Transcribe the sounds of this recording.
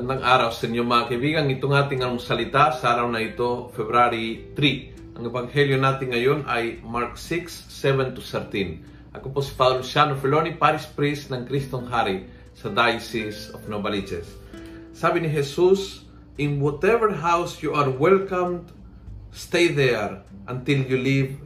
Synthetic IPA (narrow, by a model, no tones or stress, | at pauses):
anaŋʔaɾawsenjomakebiɡaŋit̪oŋat̪iŋanmusalit̪asaɾawnajt̪ofeβɾaɾit̪ɾi | aŋebaŋheljonat̪iŋajonʔa̰jmaɾksiksːeβɛ̃nt̪usɛɾt̪ĩn | a̰koposi̥paðolusjanofelonipaɾispɾisnaŋkɾist̪oŋɦaɾi | sad̪ajsisofnobalit͡ʃḛsː | aβiniɦesus | ĩnwɔt̪ɛvəɾɦawsjuaɾwɛlkãmd | st̪ejðeɾʔãnt̪iljuliv